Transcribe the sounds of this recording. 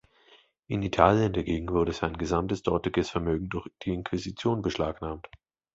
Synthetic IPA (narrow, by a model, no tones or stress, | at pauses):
ʔɪnitʰaːljəndaɡeːɡŋ̩vʊɐɾəzaɪnɡəzamtəsd̥ɔɐtɪɡəsfɛɐmøːɡŋ̩dʊɐçd̥iːɪnkʰv̥ɪzit͡sjoːnbəʃlaːknaːmt